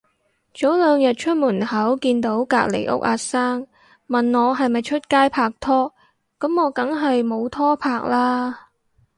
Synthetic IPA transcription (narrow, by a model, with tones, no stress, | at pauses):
t͡so˨˥wlœː˨˧ŋjɐ˨t̚t͡ʃʰɵ˥t̚muː˨˩nhɐ˨˥wkiː˧nt̪o˨˥wka̰ː˧k̚lḛ˨˩jʔʊ̰˥k̚ʔaː˧˥saː˥ŋ | mɐ˨nŋɔː˨˧ɦɐ˨jmɐ˨jt͡ʃʰɵ˥t̚kaː˥jpʰaː˨k̚t̪ʰɔː˥ | kɐ˨˥mːɔː˨˧kɐ˨˥ŋɦɐ˨jmo˨˧wt̪ʰɔː˥pʰaː˧k̚laː˥